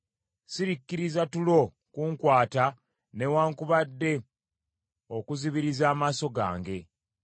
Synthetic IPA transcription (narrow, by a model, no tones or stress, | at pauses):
siɾikːiɾizatulo̞ | kuːŋkwaːta | ne̞waːŋkuβadːe̞ | o̞kuziβiɾizaːmaːso̞ɡa̰ːŋɡe̞